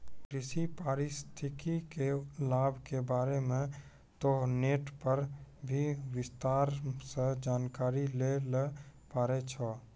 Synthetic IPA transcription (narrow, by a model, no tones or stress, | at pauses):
kɾɪsipaːɾɪst̪ʰɪkikelaːbʱkebaːɾemẽ | t̪oneːʈpəɾbʱiwɪst̪aːɾsed͡ʒaːnkaːɾilelepaːɾet͡ʃʰɔ